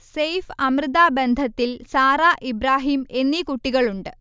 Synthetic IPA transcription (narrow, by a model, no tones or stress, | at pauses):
sejfɐmrɨðaːbend̪ʱɐt̪ːilsaːɾaːʔibɾaːɦiːme̞nːikuʈːiɣɐɭuɳɖɨ